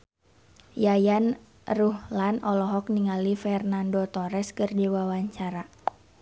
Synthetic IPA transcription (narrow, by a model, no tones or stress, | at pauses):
jajan | ruhlanɔlɔɦɔkniŋalifɛrnandɔt̪ɔɾɛskɨrdiwawaɲt͡ʃaɾa